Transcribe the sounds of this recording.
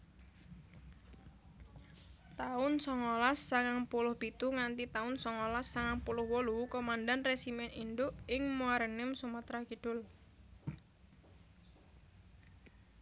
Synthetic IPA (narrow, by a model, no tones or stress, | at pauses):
t̪aʊnsɔŋolasːaŋaŋpulʊhb̥it̪uŋant̪it̪aʊnsɔŋolasːaŋaŋpulʊhwɔlukomandanresimɛnindʊʔɪŋmuaɾənɪmsumat̪ɾakiɖ̥ʊl